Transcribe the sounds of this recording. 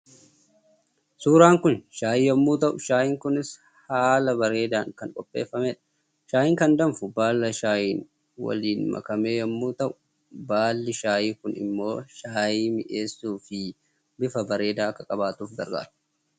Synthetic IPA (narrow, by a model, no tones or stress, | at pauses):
suːɾaːŋkʊnʃaːjiːjɐmːuːt̪ɐʔʊʃaːjɪŋkʊnɪs | haːlɐbɐɾe̞ːd̪aːŋkɐŋkʼɔpʼːe̞̰ːfːɐmɛᶑɐ̥ | ʃaːjɪŋkɐnd̪ɐmfʊbaːlːɐʃaːjiːn | wɐ̰liːnmɐ̰kɐme̞ːjɐmːuːt̪ɐʔʊ̥ | baːlːɪʃaːjiːkʊnɪ̰mːo̞ːʃaːjiːmɪʔe̞ːsːuːfɪ | bɪfɐbɐɾe̞ːd̪aːɐkːɐkʼɐbaːt̪uːfɡɐ̰ɾɡa̰ːd̥